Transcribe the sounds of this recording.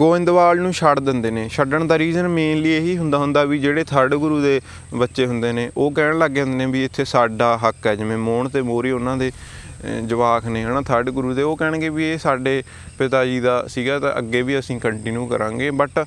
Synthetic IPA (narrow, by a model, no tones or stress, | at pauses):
ɡoːɪ̃nd̪ʋaːlnũːʃəʈd̪ɪnd̪eːneːʃəɖəɳd̪aːɾiːzənmeːnlieɦiːɦʊnd̪aːɦʊnd̪aːʋiːd͡ʒeːɽeːt̪ʰəɖɡʊɾuːd̪eː | bətːʃeːɦʊnd̪eːneːʔoːkɛːɽləɡːẽːnd̪enẽːbiːɪt̪ʰːeːsaːɖaːɦəkɛːd͡ʒɪʋẽːmoːɳt̪eːmoːɾiːʊnãːd̪eː | d͡ʒəʋaːkʰneːənãːt̪ʰəɖɡʊɾuːd̪eːoːkɛːɽ̃ɡeːbieːsaːɖeː | pɪt̪aːd͡ʒiːd̪aːsiːɡaːt̪ã̰ːʔə̰ɡːeːbiːəsĩːkəɳʈɪnjuːkə̰ɾã̰ːŋɡeːbəʈ